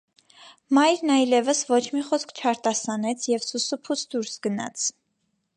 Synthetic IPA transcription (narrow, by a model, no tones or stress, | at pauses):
mɑjɾnɑjlɛvəsvɔt͡ʃʰmiχɔskʰt͡ʃʰɑɾt̪ɑsɑnɛt͡sʰjɛvsusupʰusʰd̪uɾsɡənɑ̰t͡sʰ